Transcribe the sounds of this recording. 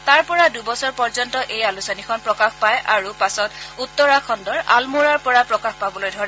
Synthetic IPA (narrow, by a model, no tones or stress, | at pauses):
taɹpɔɹadubɔsɔɹpɔɹzɔntɔʔejalusɔnikʰɔnpɹɔkaxpajʔaɹupasɔtutːɔɹakʰɔndɔɹa̰lmuɹaɹpɔɹapɹɔkaxpabɔlojdʱɔɹɛ